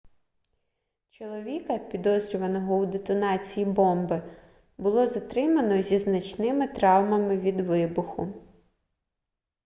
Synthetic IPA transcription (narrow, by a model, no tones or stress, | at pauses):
t͡ʃɔlˠɔʋʲikɐpʲid̪ɔzɾʲʊʋɐnɔɦɔwd̪et̪ɔnɑt͡sʲijibɔmbɪ | bʊlˠɔzɐt̪ɾɪmɐnɔzʲiznɐt͡ʃnɪmɪt̪ɾɑwmɐmɪʋʲid̪ʋɪbʊxʊ